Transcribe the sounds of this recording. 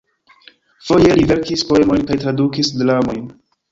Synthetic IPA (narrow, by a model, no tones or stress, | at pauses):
fo̞jelive̞ɾkispo̞e̞mo̞jnkajtɾadukisdlamo̞jn